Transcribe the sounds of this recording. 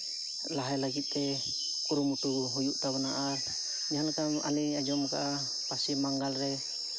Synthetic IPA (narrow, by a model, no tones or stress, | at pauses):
laɦajlaɡit̪̚ˀt̪ɛ | kuɾumuʈuɦujuʔt̪aβanaʔa | d͡ʒaankama̰liad͡ʒɔmka̰ʔa | pasimaŋɡalɾɛ